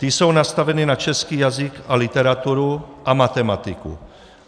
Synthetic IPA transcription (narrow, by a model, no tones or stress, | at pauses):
t̪isownast̪avɛniːnat͡ʃɛskiːjazikalit̪ɛɾat̪uɾuʔamat̪ɛmat̪ikṵ